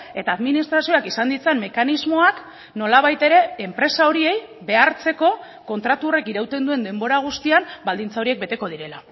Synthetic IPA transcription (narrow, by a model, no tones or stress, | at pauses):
e̞t̪aːðminist̪ɾasio̞akisand̪it͡senme̞kanizmo̞ak | no̞laβajt̪e̞ɾe̞ːmpɾe̞sao̞ɾie̞j | βe̞aɾt͡se̞ko̞ | ko̞nt̪ɾat̪urekiɾawt̪e̞nd̪ue̞nd̪e̞mbo̞ɾaɣ̞ust̪iambald̪int͡sao̞ɾie̞k̚be̞t̪e̞ko̞ð̞iɾe̞la